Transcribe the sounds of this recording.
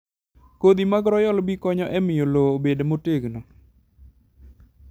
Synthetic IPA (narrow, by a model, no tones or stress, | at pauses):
kod̪imaɡɾɔjɔlbikɔɲɔʔɛmɪjolobedmoteɡnɔ